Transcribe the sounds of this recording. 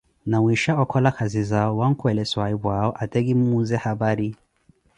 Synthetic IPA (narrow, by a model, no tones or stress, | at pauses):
nawiʃaɔkʰɔlakʰazizaɔwaŋ̩kwɛlɛswaibwaɔʔatɛɡim̩uzɛhabaɾi